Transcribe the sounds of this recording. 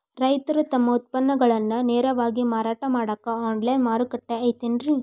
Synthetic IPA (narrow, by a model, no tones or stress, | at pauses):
ɾɐjt̪ɐɾut̪ɐmːɐut̪̚pɐnːɐɡɐɭɐnːuneːɾɐʋaːɡimaːɾaːʈɐmaːɽɐkːɐaːnlɐjnmaːɾukɐʈːeɐjt̪iːnɾi